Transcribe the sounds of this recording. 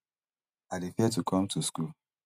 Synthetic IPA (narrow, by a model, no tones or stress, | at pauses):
adefiɛtukʰɔ̃mtʰuskul